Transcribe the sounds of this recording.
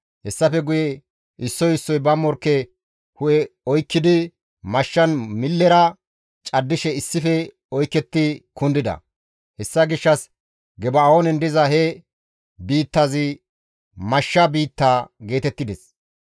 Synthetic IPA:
hɛsːɐfɛɡʊjɛ | ʔɪsːɔjɪsːɔjbɐmːɔɾkːɛ | hʊjɛɔjkːɪd̪ɪ | mɐʃːɐnmɪlːɛɾɐ | t͡ʃʼɐd̪ːɪʃɛɪsːɪfɛ | ɔjkːɛt̪ːɪkʊnd̪ɪd̪ɐ̰ | hɛsːɐɡɪʃːɐs | ɡɛbɐonɛnd̪ɪzɐhɛ | biːt̪ːɐzɪ | mɐʃːɐbiːt̪ːaːɡe̞ːt̪ɛt̪ːɪd̪ɛs

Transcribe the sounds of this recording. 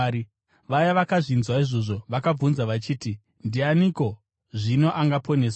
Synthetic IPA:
ʋajaʋakaʐinzwaiʐo̞ʐo̞ʋakab͡vunzaʋat͡ʃiːti | ndianiko̞ | ʐino̞ʔaŋɡapo̞ne̞ːsa

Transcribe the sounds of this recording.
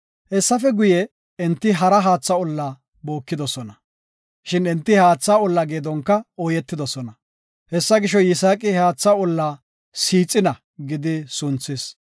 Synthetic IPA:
hɛsːɐfɛɡʊjɛ | ɛnt̪ːɪɦɐɾɐɦaːt͡sːɐʊlːa | bo̞ːkːɪd̪ɔsɔnɐ | ʃɪnɛnt̪ːɪhaːt͡sːaʊlːɐɡeːd̪ɔŋkːɐojɛt̪ːɪd̪ɔsɔnɐ | hɛsːɐɡɪʃɔjɪsaːkʼɪhaːt͡sːɐʊlːa | siːt͡sʼːɪnɐ | ɡɪd̪ɪsʊnt͡sːɪs

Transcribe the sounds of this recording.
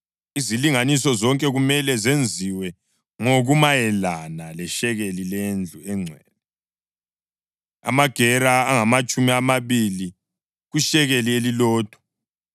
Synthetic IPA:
iziliŋanisɔzɔŋkʼɛɣumɛlɛzend͡zʱiwɛ | ŋoɣumajɛlanalɛʃɛɣelilend͡ɮʱuɛŋ͡ǀʱwɛːlɛ | a̰maɡ̥ʱɛɾaːŋamat͡ʃʼumiamaβili | ɣuʃɛɣelielilɔːd̥ʱwɔ̥

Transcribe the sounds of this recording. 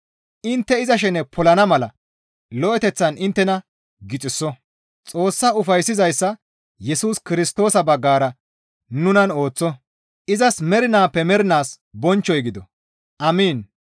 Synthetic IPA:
ʔɪnt̪ːɛɪzɐʃ̬ɛnɛpʰɔlɐnɐmɐlɐ | lɔʔɛt̪ɛt͡sːɐnɪnt̪ːɛnɐ | ɡɪt͡sʼɪsːɔ | t͡sʼo̞ːsːaʊfɐjsːɪzɐjsːɐ | jɛsuːskɪɾɪst̪o̞ːsɐbɐɡːaːɾɐ | nʊnɐno̞ːt͡sːɔ | ʔɪzɐsmɛɾɪnaːpːɛmɛɾɪnaːs | bɔnt͡ʃːɔjɡɪd̪ɔ | ʔɐmiːn

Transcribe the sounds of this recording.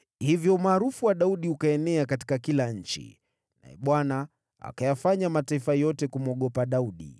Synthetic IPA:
hivjɔumaːɾufuwaɗauɗiukaɛnɛakati̥kakilaɲ̩t͡ʃḭ | na̰ɛɓwana | a̰kajafaɲamataifajɔtɛkumɔɠɔpaɗauɗḭ

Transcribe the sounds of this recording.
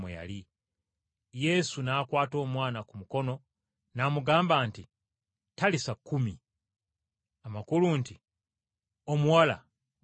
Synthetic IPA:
mwḛja̰li | je̞sunaːkwaːto̞ːmwaːnakumuko̞no̞ | namuɡaːmbaːnti | talisakːumi | amakulunti | o̞muwala̰

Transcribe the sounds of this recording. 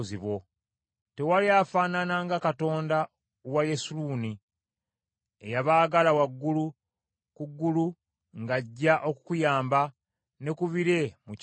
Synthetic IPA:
ziβwo̞ | te̞waliafaːnanaŋɡakato̞ːnda | wajesuluːni | ejaβaːɡalawaɡːulu | kuɡːulu | ŋɡaɟːaʔo̞kukujaːmba | ne̞kuβiɾe̞mu

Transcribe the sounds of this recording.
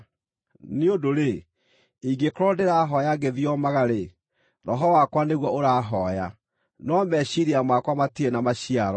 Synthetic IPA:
neodoɾe | iɡekɔɾɔdeɾaɦɔjaɡeðjɔmaɣaɾe | ɾɔɦɔwakwaneɣwɔoɾaːɦɔja | nɔmɛɕiɾiamakwamatienamaɕiaɾɔ

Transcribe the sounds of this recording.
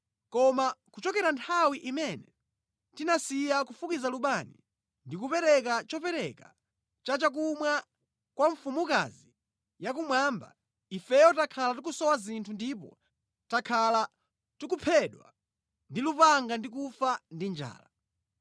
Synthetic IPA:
kɔmakut͡ʃɔkɛɾantʰawiʔimɛnɛ | tinasijakufukizaluɓanḭ | ndikupɛɾɛkat͡ʃɔpɛɾɛka̰ | t͡ʃat͡ʃak̬umwa | kwaɱfumuka̰zi | jak̬umwaːmba̰ | ifɛjɔtakʰalatukusɔwazintʰundip̬ɔ̰ | takʰala | tuk̬upʰɛɗwa̰ | ndilupaŋɡandik̬ufandind͡ʒa̰ːla

